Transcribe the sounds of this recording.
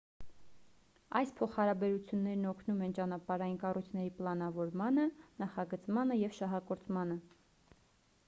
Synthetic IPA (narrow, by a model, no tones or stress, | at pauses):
ɑjspʰɔχhɑɾɑbɛɾut͡sʰjunːɛɾnɔkʰnumɛnt͡ʃɑnɑpɑɾɑjinkɑrujt͡sʰnɛɾiplɑnɑvɔɾmɑnənɑχɑɡət͡smɑnəjɛvʃɑɦɑkɔɾt͡sʰmɑnə